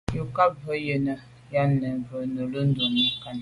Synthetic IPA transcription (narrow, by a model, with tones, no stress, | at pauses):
ju˨ka˦pvə˦jə˨nə˨ | ja˦nə˨və˨nə˨lə˦n˦do˨nə˨˦ka˦n˨